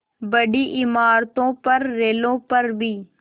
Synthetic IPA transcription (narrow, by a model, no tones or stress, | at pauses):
bəɗiːʔɪmaːɾt̪õːpəɾːeːlõːpəɾbʱiː